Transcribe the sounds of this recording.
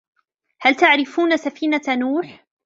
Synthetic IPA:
halt̪aʕɾɪfuːnasafiːnanuːħ

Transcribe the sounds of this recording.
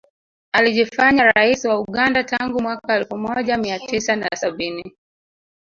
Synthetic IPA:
aliʄifaɲaɾaisiwauɠandataŋɡumwakaɛlfumɔʄamiatisanasaɓini

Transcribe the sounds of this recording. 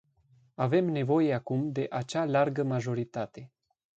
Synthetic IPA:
ave̞mne̞vo̞je̞akumd̪e̞ʔat͡ʃalarɡəmaʒo̞ɾit̪at̪e̞

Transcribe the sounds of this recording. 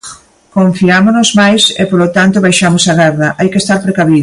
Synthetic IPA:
kõɱfiamonozmajsḛpolot̪ant̪oβajʃamosaɣɛɾðɐʔajkest̪aɾpɾekaβið

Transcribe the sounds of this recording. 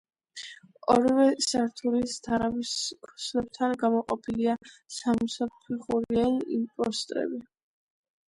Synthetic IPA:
ɔ̰ɾivɛsaɾt̪ʰulist̪ʰaɾaviskʰɔ̥slɛb̚t̪ʰanɡamɔqʼɔpʰiliasamsappʰiχuɾiɛnimpʼɔst̪ʼɾɛ̰bi

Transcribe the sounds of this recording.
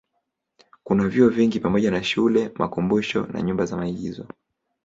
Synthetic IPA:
kunaviɔviŋɡipamɔʄanaʃulɛmakumbuʃɔ̰na̰ɲumbazamaiɠizɔ

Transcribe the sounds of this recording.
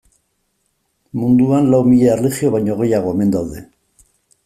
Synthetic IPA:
mund̪uanlawmiʎearleχio̞βajɲoɣ̞e̞jaɣ̞o̞eme̞nd̪awðe̞

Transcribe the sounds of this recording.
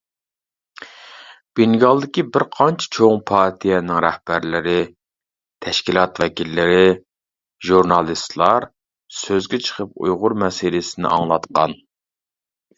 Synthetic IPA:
b̥iŋɡɑlˠd̪ɪkʲibɪɾqʰɑnt͡ʃʰɛ̥t͡ʃʰoŋpʰɑɾt̪ʰijɛnɪŋɾɛhb̥æɾlɪɾɪ | t̪ʰɛʃkʲilˠɑt̪vɛkʲilːɪɾɪ | ʒuɾnɑlˠist̪lˠɑɾ | søzɡʲɛt͡ʃʰə̥qʰəpṵjʁʊɾmɛsilɪsɪnɪ̰ʔɑ̰ŋlˠɑt̪qʰɑ̰n

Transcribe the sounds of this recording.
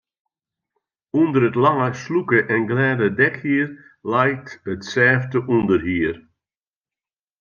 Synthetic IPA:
undəɾətlaŋəslukəʔɛnɡlɛːdədɛkhiːr | lɛjtətsɛːftəʔundərɦiːər

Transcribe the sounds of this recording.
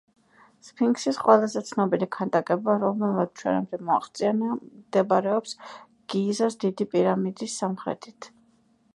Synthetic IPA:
spʰiŋksisqʼwɛlˠazɛt̪sʰnɔbilikʰand̪ʼakʼɛbaɾɔmɛmat̪t͡ʃʰwɛ̰na̰md̪ɛmɔaχt̪sʼianiad̪̥ɛbaɾɛɔps | ɡ̥iːzasd̪id̪ipʼiɾamid̪isːamχɾɛ̰t̪ʰit̪ʰ

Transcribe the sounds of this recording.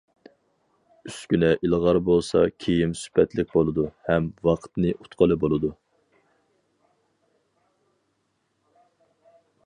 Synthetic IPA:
yskʲynɛʔilˠʁɑɾbolˠsɑ̰kʲʰejimsy̥pʰɛt̪lɪk̚ʲbolˠɨd̪uhɛmvɑqʰə̥t̪nɨʔu̥t̪qʰəlˠɨbolˠɨd̪u

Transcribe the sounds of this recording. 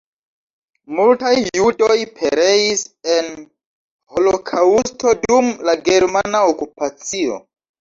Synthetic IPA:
multajːudo̞jpʰe̞ɾe̞isen | ho̞lo̞kʰausto̞dumlaɡe̞ɾmanaokupat͡sio̞̰

